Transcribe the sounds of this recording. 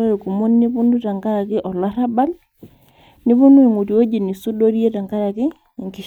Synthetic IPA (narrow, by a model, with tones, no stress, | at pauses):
aɾi˨ku˨mu˦nni˦βu˦ndu˦ta˨ŋɡa˦ɾa˨kiʔɔ˨laɾaba˦l | ni˦βu˦nu˦e˨ŋu˨ti˨wɔ˦d͡ʒi˨ni˨su˦do˦ɾjɛ˦ta˨ŋɡa˦ɾa˨ki˦ | ŋki